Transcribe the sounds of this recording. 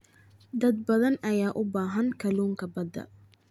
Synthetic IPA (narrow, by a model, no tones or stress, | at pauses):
d̪ɐd̪̚bɐðɐnʔɐjaːʔʊbaːɦɐnkʰɐluːŋkʰɐbɐd̪ɐ̰